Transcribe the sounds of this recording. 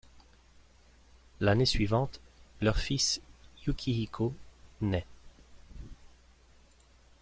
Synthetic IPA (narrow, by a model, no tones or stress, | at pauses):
lanesɥivɑ̃t̪lœʁfisjukʲʰiikʰonɛ